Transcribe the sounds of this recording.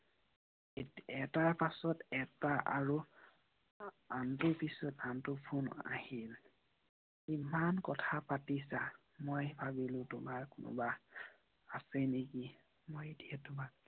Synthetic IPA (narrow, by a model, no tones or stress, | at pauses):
ɛtaɹpasɔtɛtaʔa̰ɹu | antʊɹpisɔtantʊpʰuna̰hil | imankɔtʰapatisa | mojbʱabilʊ̃tʊmaɹkʊnʊ̰baː | sɛneki | mojdiɛtʊma